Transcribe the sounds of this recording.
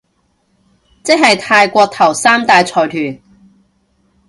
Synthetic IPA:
t͡sɪ˥k̚hɐ˨jt̪ʰaː˧jkʷɔː˧k̚t̪ʰɐ˨˩wsaː˥mt̪aː˧jt͡sʰɔː˨˩jt̪ʰyː˨˩n

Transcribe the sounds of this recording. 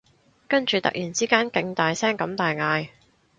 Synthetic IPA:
kɐ˥nt͡ʃyː˨t̪ɐ̰˨k̚jyː˨˩nt͡siː˥kaː˥nkɪ˨˧ŋt̪aː˨jsɛː˥ŋkɐ˨˧˥mt̪aː˨jŋaː˨˧j

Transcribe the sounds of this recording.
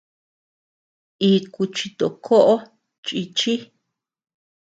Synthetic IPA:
i˧ku˧t͡ʃi˧t̪o˨kʰo˦ʔo˦ | t͡ʃʼi˧t͡ʃi˦

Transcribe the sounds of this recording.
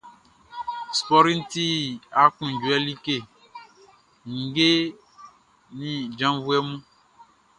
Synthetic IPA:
spɔ˦ɾĩ˦n˦ti˦a˦kũ˨d͡ʒu˨˦ɛ˦li˦ke˦˨ | ŋ̩˨ɡe˦ | nĩ˦d͡ʒã˦vu˦ɛ˦mũ˦

